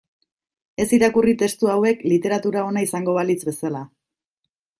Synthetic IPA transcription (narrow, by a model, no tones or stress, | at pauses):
e̞siɾakurit̪e̞st̪uawe̞klit̪e̞ɾat̪uɾao̞naisaŋɡo̞βalit͡sbe̞sala